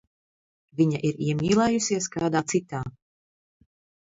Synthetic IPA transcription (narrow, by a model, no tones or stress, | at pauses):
viɲaʔiɾiɛmʲiːlˠɛjusiɛskaːd̪aːt̪sit̪aː